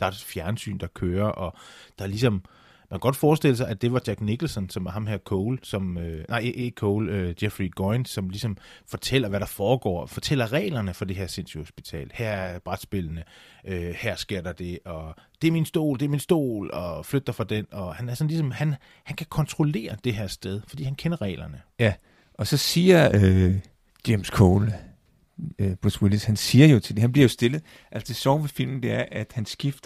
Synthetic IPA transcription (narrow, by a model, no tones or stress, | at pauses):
d̥ɑ̈æd̥fjæɐnsy̰ːnd̥ɑ̈kʰøːɐʔɒ̽d̥ɑ̈lisɒ̽m | mmæŋkʰæɡ̥ɒ̽d̥fɒːsd̥e̝l̰əsɑ̈ɪʔæd̥e̝ʋɑ̈d̥jɑɡ̥niɡ̥l̩sɒnsɒ̽mæɐɦɑ̈mheɐ̰kʰɔʊlsɒ̽mønʔɑ̈ɪʔekʰɔʊlød̥jefʁiɡ̥ɔɪn̥sɒ̽mlisɒ̽mfɒ̽t͡sʰel̰ɐʋæɾ̥ɑ̈fɒːɡ̥ɒ̰ːfɒ̽t͡sʰel̰ɐʁɛ̰ːlɐnəfɒ̽d̥e̝ɦe̝ɐ̰se̝nsuho̝sb̥it͡sʰɛ̰ːlhæɐ̰b̥ʁad̥sb̥e̝lənəʔøhæɐ̰sɡ̥e̝ɐ̰d̥ɑ̈d̥e̝ʔɒ̽d̥e̝æɐminsd̥o̝̰ːld̥e̝æɐminsd̥o̝̰ːlɒ̽flød̥ɐfɑ̈d̥enɒ̽hænæɐsɒ̽nlisɒ̽mhæn | hænkʰækʰɒ̽nt͡sʰʁole̝̰ːɐd̥e̝ɦeɐsd̥eð̞ˠfɒ̽d̥ḭːhænkʰenɐʁɛ̰ːlɐnəjæ | ʔɒ̽sɒ̽siːɐø | d̥emskʰoːl | b̥ʁuswilishænsiːɐjo̝t͡sʰe̝ld̥e̝hænb̥liɐjo̝sd̥e̝lð̩ˠ | ʔæl̰sd̥esɒʊ̰ʋefil̰mn̩d̥e̝æɐʔæd̥hænsɡ̥ifd̥